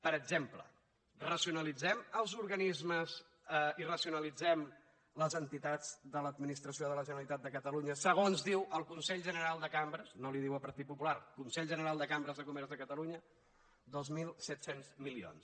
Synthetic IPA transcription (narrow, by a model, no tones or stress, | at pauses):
pəɾəɡʒemplə̰ | rəsiunəlid͡zɛməlˠzuɾɣənizməz | irəsiunəlid͡zɛm | ləzənt̪it̪ad͡zd̪ələd̪minist̪ɾəsioðələʒənəlit̪at̪̚d̪əkət̪əluɲəsəɣ̞onzðiwəlˠkunsɛʎʒənəɾalˠd̪əkambɾəznoliðiwəpəɾt̪it̪̚pupulaɾkunsɛʎʒənəɾalˠd̪əkambɾəzðəkumɛɾzðəkət̪əluɲə | d̪ozmilˠsɛt̪senzmilio̰ns